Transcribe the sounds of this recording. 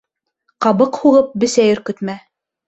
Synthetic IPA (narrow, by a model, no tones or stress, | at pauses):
qɑβɤqhuʁɤp̚bɘ̆sæjɵ̆ɾkɵ̆t̪mæ